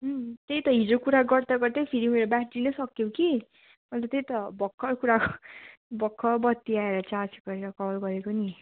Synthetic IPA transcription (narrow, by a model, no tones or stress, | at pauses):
ɦt̪ejt̪ʌɦid͡zokuɾaɡʌrd̪aɡʌrd̪ʌjpʰiɾiuneɾobjaʈːinʌsʌkjoki | mʌlt̪ʌt̪ejt̪ʌbʱʌkʰːʌɾkuɾakobʱʌkʰːʌbʌt̪ːiaeɾʌt͡sasɡʌɾeɾʌkʌbʌlɡʌɾekoni